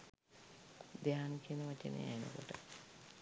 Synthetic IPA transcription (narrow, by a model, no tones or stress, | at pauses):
d̪eanikienəʋat͡ʃenḛja̰jenə̰koʈə